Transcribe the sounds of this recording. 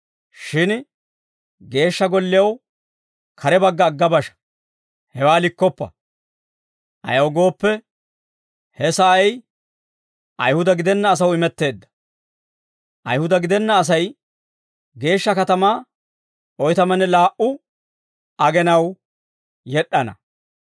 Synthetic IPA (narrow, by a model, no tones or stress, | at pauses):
ʃɪn | ɡe̞ːʃːɐɡɔlːɪjɐw | kʰɐɾɛbɐɡːɐːɡːɐbɐʃɐ̥ | hɛwaːlɪkːɔpːɐ̰ | ʔɐ̰jɐwɡo̞ːpːɛ | hɛsɐʔɐj | ʔɐ̰jhʊd̪ɐɡɪd̪ɛnːɐːs̬ɐwɪmɛt̪ːe̞ːd̪ːɐ̥ | ʔɐ̰jhʊd̪ɐɡɪd̪ɛnːɐːs̬ɐj | ɡe̞ːʃːɐkɐt̪ɐmaː | ʔɔjt̪ɐmɐnɛlaːʔʊ | ɐɡɛnɐw | jɛɗːɐnɐ̰